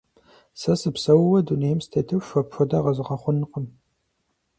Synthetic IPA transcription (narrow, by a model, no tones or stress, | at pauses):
sɐsɨpsɐwwɐduneːjmstʰɐtʰɨwfɐpʂɐdaːʁɐzɨʁɐχʷʊnɨqəm